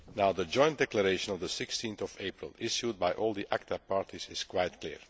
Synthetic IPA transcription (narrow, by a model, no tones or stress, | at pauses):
naʊd̪əd͡ʒɔ̃j̃ndɛkləɹeɪʃə̃nɔvd̪əsɪkstĩnθɔveɪpɹə̰lˠɪʃjud̚bajʔɔːlˠd̪iʔæk̚tʰapaːɹtʰizɪskwajtklḭːɹ